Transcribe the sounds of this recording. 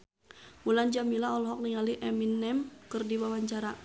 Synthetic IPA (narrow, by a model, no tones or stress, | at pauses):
muland͡ʒamilaɔlɔɦɔk̚niŋaliʔɛminːɛmkɨrdiwawaɲt͡ʃaɾa